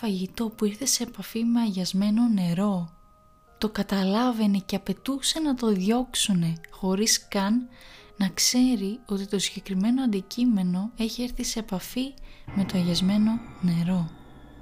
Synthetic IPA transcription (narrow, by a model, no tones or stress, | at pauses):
fɐʝit̪o̞puiɾθese̞ːpɐfimeɐʝɐzme̞no̞ne̞ɾo̞ | t̪o̞kɐt̪ɐlɐve̞neceɐpe̞t̪use̞nɐt̪o̞ðʝo̞ksune̞xo̞ɾiskɐnːɐkse̞ɾio̞t̪it̪o̞siʝe̞kɾime̞no̞ɐnd̪icime̞no̞e̞çieɾθise̞ːpɐfime̞t̪o̞ɐʝɐzme̞no̞ne̞ɾo̞